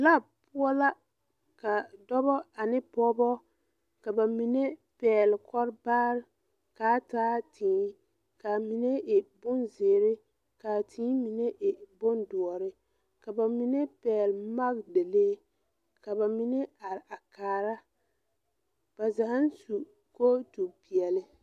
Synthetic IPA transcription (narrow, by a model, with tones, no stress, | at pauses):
la˦˨pʊ˦ɔ˦la˦ | ka˨dɔ˦bɔ˦a˨nɪ˦pɔ˦bɔ˦ | ka˨ba˨mi˨nɛ˦pɛː˨lkɔ˦ɾbaː˦ɾ | kaː˨˦taː˦tʰiː˨˦ | ka˨mi˨nɛ˦ʔɪ˨bʊ˦nze˨ɾɪ˦ | ka˨tʰĩː˦mi˨nɛ˦ʔɪ˨bʊ˦ndʊ˨ɔ˨ɾɪ˦ | ka˨ba˨mi˦nɛ˦pɛː˨lma˦ɡde˨le˦ | ka˨ba˨mi˦nɛ˦a˨ɾa˨kaː˨ɾa˦ | b̥a˨za˨ha˦n˦su˨ | ko˦tu˨pi˨ɛ˨lɪ˦